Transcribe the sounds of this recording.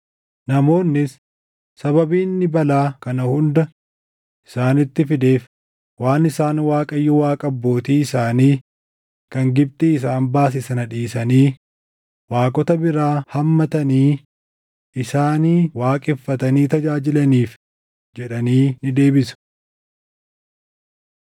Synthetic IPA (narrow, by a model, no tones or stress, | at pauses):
nɐmo̞ːnːɪs | sɐbɐbiːnːɪbɐlaːkɐnɐhʊnd̪ɐ | ʔɪ̥saːnɪt̪ːɪfɪd̪e̞ːf | waːnɪsaːnwaːkʼɐjːɔwaːkʼɐbːo̞ːt̪iːɪsaːniː | kɐŋɡɪb̚t̪ʼɪɪs̬aːnbaːs̬ɪsɐnɐᶑiːsɐniː | waːkʼɔt̪ɐbɪɾaːhɐmːɐt̪ɐniː | ʔɪsaːniːwaːkʼɪfːɐt̪ɐniːt̪ɐd͡ʒaːd͡ʒɪlɐniːf | d͡ʒɛᶑɐniːnɪd̪e̞ːbɪsɐ̥